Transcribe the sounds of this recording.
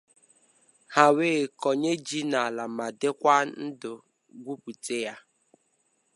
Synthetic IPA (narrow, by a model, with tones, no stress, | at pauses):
ha˨weː˦˨kɔ˨ɲe˦d͡ʒi˦na˨la˨ma˨dɪ˦kʷa˦n̩˦dʊ˨ | ɡʷu˦pu˨te˦ja˦